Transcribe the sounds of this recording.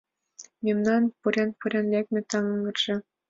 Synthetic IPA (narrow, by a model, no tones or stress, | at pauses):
mʲimnɑnpuɾʲenpuɾʲenlʲekmʲɘ̆t̪ɑŋɤ̆ŋɤ̆rʒ̥ɤ̆